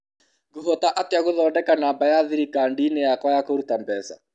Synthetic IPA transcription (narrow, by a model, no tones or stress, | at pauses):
ɡuɦɔtaʔateaɣoðɔːndɛkanaːmbajaðiɾikaːndinejakwajakoɾutambɛsa